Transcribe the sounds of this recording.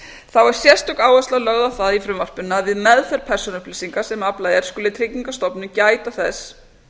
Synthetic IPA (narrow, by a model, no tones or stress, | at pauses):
θawɛɾ̥sjɛr̥st̪ʏkaːwast̪lalœɣðawθaðifɾʏmvar̥pʏnːaaðvɪðmɛðfɛɾpʰɛr̥sɔnʏhplɪsiŋkasɛmaplajɛɾ̥skʏːlɪt̪ʰɾɪciŋkast̪ɔpnʏmcaːjt̪aθɛs